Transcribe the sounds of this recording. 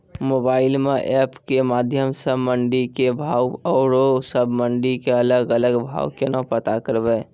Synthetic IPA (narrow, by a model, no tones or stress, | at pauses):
moːbaːɪlmẽʔɛːpkemaːd̪ʱjəmsəbməɳɖikebʱaːwɔːɾosəbʱməɳɖikeələɡələɡbʱa̰ːʊkenəpət̪akəɾbɛː